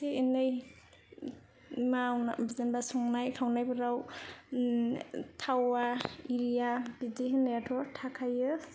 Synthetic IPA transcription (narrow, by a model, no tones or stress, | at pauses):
seenɯj | mawnabizenbasɔŋnajkʰawnajbɯɾaw | tʰawaiɾijabidiɦinetʰɔtʰakʰajɯ